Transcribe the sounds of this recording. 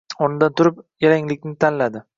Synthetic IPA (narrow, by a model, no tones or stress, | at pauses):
ɒnɪd̪ant̪ʰʊɾɪp̚jaɾaŋlɪkʲnɪt̪ʰanlad̪ɪ